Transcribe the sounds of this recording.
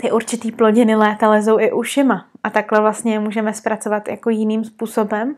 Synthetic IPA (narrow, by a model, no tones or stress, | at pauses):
t̪ɪʔuɾt͡ʃɪt̪iːplo̞ɟɪnɪlɛːt̪alɛs̬o̞wʔɪʔuʃɪmaʔat̪aklɛvlast̪ɲɛmuːʒɛmɛspɾat͡sovat̪ja̰kojɪniːmspuːsobɛm